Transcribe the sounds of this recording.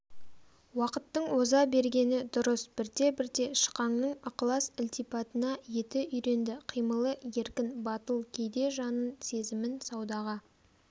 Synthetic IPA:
wɑqət̪ːəɴwo̞zɑbe̞ɾɡʲe̞nɪd̪ʊɾəsb̥ɪɾt̪e̞bɪɾt̪e̞ʃə̥qɑŋnəɴɑqlˠɑsʊlʲt̪ipɑt̪ənɑje̞t̪ɪʔʏjɾe̞nd̪ɪqʰijməlˠəje̞ɾkʲɪnbɑt̪əlˠkʲʰe̞jd̪e̞ʒɑnənse̞zɪmɪnsɑwd̪ɑʁɑ

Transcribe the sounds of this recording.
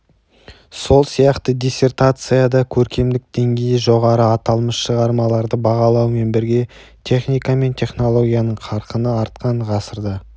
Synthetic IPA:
so̞lˠsijɑqt̪əd̪ʲijsʲe̞rt̪at̪sɨjad̪ɑkʲʰɵɾkʲe̞md̪ɪk̚d̪̥e̞ŋɡʲe̞jɪʒo̞ʁɑɾəɑt̪ɑlˠməsʃəʁɑɾmɑlˠɑɾd̪əbɑʁɑlˠɑwəme̞nbɪɾɡʲe̞ | t̪ʲʰe̞χnijkame̞nt̪ʲʰe̞χno̞lˠo̞ɡʲijanəɴqʰɑɾqənəɑɾt̪̚qɑɴʁɑsəɾd̪ə

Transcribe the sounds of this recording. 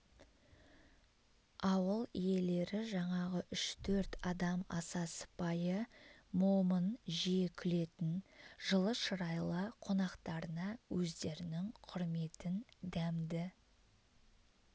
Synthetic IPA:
ɑwəlˠije̞le̞ɾɪʒɑɴɑʁəʔʏʃt̪ʰɵɾt̪ɑd̪ɑmɑ̰sɑsə̥pɑjəmomənʒiekʲʰʏle̞t̪ɪnʒəlˠəʃəɾɑjlˠəqʰo̞nɑqt̪ɑɾənɑwɵzd̪e̞ɾɪnɪŋqʰʊɾme̞t̪ɪnd̪æmd̪ɪ

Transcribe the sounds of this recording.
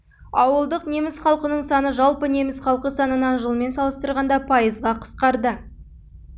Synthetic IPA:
ɑwəlˠd̪əqne̞mɪsχɑlˠqənəɴsɑnəʒɑlˠpəne̞mɪsχɑlˠqəsɑnənɑnʒəlˠme̞nsɑlˠəst̪əɾʁɑnd̪ɑpʰɑjəzʁɑqʰə̥sqɑɾd̪ə

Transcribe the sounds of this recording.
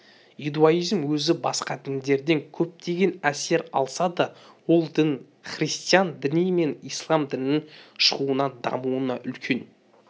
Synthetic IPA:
id̪uaijzmwɵzɪbɑsqɑd̪ɪnd̪e̞ɾd̪e̞ŋkʲʰɵp̚t̪ʰe̞ɡʲe̞næse̞ɾɑ̰lˠsɑd̪ɑ | wo̞lˠd̪ɪn | χrist̪ijɑnd̪ɪnijme̞nijslˠɑmd̪ɪnːɪŋʃəʁuənɑd̪ɑ̰muənɑʔʏlkʲʰe̞n

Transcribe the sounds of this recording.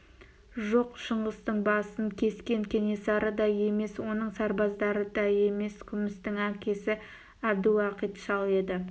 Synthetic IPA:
ʒo̞qʃəɴʁəst̪əɴbɑsəŋkʲʰe̞skʲe̞ŋkʲʰe̞ne̞sɑɾəd̪ɑje̞me̞swo̞nəɴsɑɾbɑzd̪ɑɾəd̪ɑje̞me̞skʲʰʏmɪst̪ɪŋækʲe̞sɪ | æd̪uɑqit̪ʃɑlˠe̞d̪ɪ

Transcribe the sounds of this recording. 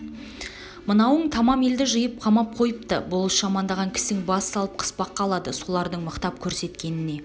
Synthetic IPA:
mənɑwəɴt̪ʰɑmɑme̞ld̪ɪʒəjəp̚qʰɑmɑp̚qʰo̞jəp̚t̪ə̰bʊlˠʃɑmɑnd̪ɑʁɑŋkʲʰɪ̥st̪ɪŋbɑsɑlˠəp̚qʰə̥spɑqːɑlˠɑd̪əso̞lˠɑɾd̪əɴməqt̪ɑp̚kʲʰɵɾse̞t̪kʲe̞nɪne̞

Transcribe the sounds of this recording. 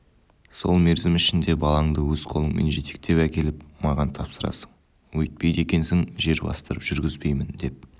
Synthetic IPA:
so̞̰lˠme̞ɾzɪmɪʃɪnd̪e̞bɑlˠɑɴd̪əwɵzqʰo̞lˠəŋme̞̰nʒe̞t̪e̞̥k̚t̪e̞pækʲe̞lɪpmɑʁɑnt̪ʰɑpsəɾɑ̰sə̥ɴ | wɵjt̪̚pe̞jd̪e̞kʲe̞nsɪŋʒe̞ɾbɑ̰st̪əɾəpʒ̥ʏɾɡʲɪzbe̞jmɪnd̪e̞p̚

